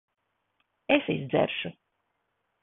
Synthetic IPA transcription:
esizd̪zɛ̰ɾʃu

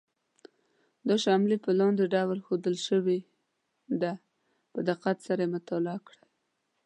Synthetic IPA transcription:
d̪əʃɑmlipəlɑnd̪eɖawəlxod̪əlʃəwe | d̪a | pəd̪aqat̪saɾaemət̪ɑlɑkɽa

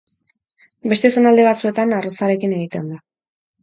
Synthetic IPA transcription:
be̞st̪e̞so̞nald̪e̞βat͡sue̞t̪anarosaɾe̞kine̞ɣ̞it̪e̞nd̪a

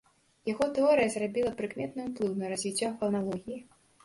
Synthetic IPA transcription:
jaɣɔt̪ɛɔɾɨjɐzrabʲilˠɐpɾɨkmʲɛt̪̚nɨuplˠɨwnɐɾazʲvʲit͡sʲːɔxɐnalˠɔɣʲiji

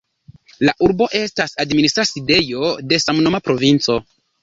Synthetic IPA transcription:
laʔuɾbo̞ʔe̞stasadministɾaside̞jo̞de̞samnomapɾo̞vint͡so̞

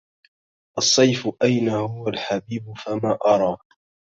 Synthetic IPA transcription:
ʔɑsˤːɑjfʊʔajnahʊwalħabiːbʊfamaːʔɑɾˤɑː

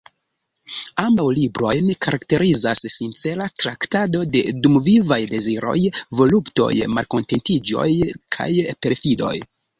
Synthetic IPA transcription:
ambawlibɾo̞jnkaɾakte̞ɾʔizassint͡se̞latɾaktado̞de̞dumvivajde̞ziɾo̞̰jvo̞lupto̞̰jmalko̞nte̞ntid͡ʒo̞̰jkʰa̰jpe̞ɾfido̞̰j

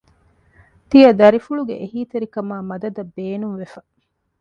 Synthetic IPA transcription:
t̪ijɐd̪ɐɾifuɭuɡḛʔeɦiːt̪eɾikɐmaːmɐd̪ɐd̪ɐbːeːnunʋefɐ

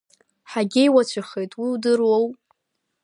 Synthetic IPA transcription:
ħaɡʲejwat͡ɕʷʰaχejtʼwiwdɨrwowʼ

